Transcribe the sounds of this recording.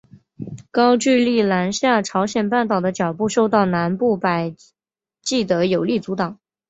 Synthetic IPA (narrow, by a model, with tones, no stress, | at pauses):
kɑ˥ʊt͡ɕy˥˧li˥˩la˧˥nɕja˥˩ʈ͡ʂʰɑ˧˥ʊɕjɛ˨˩npa˥˩nt̪ɑ˨˩ʊd̪ə˦t͡ɕjɑ˨˩ʊpu˥˧ʂo˥˧ʊt̪ɑ˥˩ʊna˧˥npu˥˩pa˨˩ɪ | t͡ɕi˥˩t̪ɤ˧˥jo˨˩ʊli˥˩t͡su˧˥t̪ɑ˨˩˦ŋ